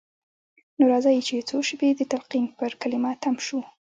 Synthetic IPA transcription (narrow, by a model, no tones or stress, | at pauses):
noɾɑzɑjit͡ʃet͡soʃəbed̪ət̪alqimpəɾkalɪmɑt̪amʃu